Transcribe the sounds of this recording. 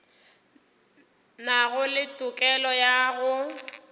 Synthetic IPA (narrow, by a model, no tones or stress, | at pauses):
naɣʊlɪtʼʊkʼɛlɔjaɣʊ